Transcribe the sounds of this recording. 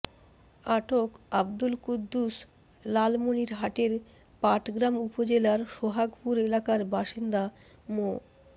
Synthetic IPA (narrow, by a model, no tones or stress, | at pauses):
aʈokabd̪ulkud̪ːus | lalmoniɾɦaʈeɾ | paʈʰɡɾamupod͡ʑelaɾʃoɦaɡpuɾelakaɾbaʃind̪a | mo